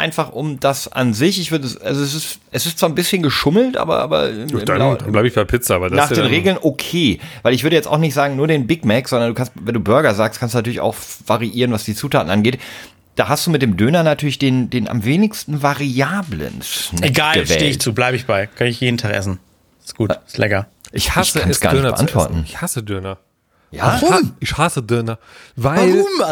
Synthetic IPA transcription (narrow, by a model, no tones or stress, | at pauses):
ʔa̰ɪnfaχʔʊmdasʔa̰nzɪçɪçv̥ʏɐdəʔa̰lzoɛs̬ɪstʔɛsɪstt͡sv̥aːnbɪsçənɡəʃʊml̩tʔa̰ːbɐ̰ʔa̰ːbɐ̰ɪɪdananblaɪbɪçb̥aɪpʰɪt͡sɐʔaːbɐdasnaːχdeːnʁeːɡl̩nʔokʰeːvaɪlɪçv̥ʏɐɾəjɛt͡sta̰ʊxnɪçtz̥aːɡŋ̩nuːɐdeːnbɪkmɛkz̥ɔndɐnduːkʰanstvɛnduːbœɐɡɐzaːkst̚kʰanstuːnatʰyɐlɪça̰ʊxv̥aʁiʔiːʁənvasd̥iːt͡suːtʰaːtn̩ʔanɡeːt | d̥aːɦastd̥uːmɪt̚d̥eːmdøːnɐnatʰyːɐlɪçd̥eːndeːnʔa̰mveːnɪçstn̩vaʁiaːblə̰nsnɛeɡaːlɡəvɛ̰teːɪçt͡suːblaɪbəɪçb̥aɪkʰœnəɪçjeːdn̩tʰaːχʔɛsn̩ | ɪ̥sɡ̥uːtɪstlʔɛkɐʔɪçhaçsəkʰansd̥aːɐnɪtb̰əa̰ntv̥ɔ̰ɐtn̩ɪçhasədøːnɐ | jaːɪçhasədʏnɐvaɪlm